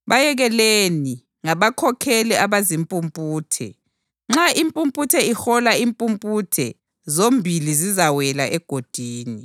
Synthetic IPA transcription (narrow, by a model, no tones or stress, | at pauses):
βajɛɣɛleni | ŋaβakʰɔkʰɛlɛaβazimpʼumpʼuːtʰɛ̰ | ŋ͡ǁaimpʼumpʼutʰɛixɔlaimpʼumpʼutʰɛ | zombʱilizizawɛlaʔɛɡ̥ʱod̥ʱiːni